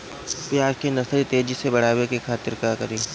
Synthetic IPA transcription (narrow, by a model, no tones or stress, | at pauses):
piaːɾkenɐsɾit̪eːd͡ʒisebɐɽ̤aːwekekʰaːt̪ɪɾkaːkɐɾĩː